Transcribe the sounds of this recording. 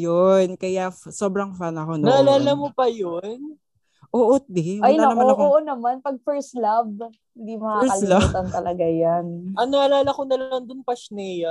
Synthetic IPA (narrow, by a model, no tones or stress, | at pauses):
jonkɐjaso̞ːbɾɐŋfanɐko̞nnɐʔɐlaːlɐmopɐjon | ʔoʔot̪̚d̪ɛajnaɐnɐmaoɐkoʔonɐmanpɐɡ̚fɛɹst̪lab | hɪnd̪imɐkaɛɐllat̪ɐnt̪ɐlɐɡajanʔɐnɐʔɐlaːlɐkonɐlɐnd̪ʊnpɐʃnɛjɐ